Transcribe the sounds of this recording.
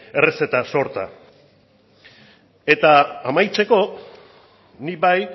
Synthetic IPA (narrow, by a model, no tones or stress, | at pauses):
e̞rese̞t̪aso̞ɾt̪a̰ | e̞t̪aːmajt͡se̞ko̞ | nibaj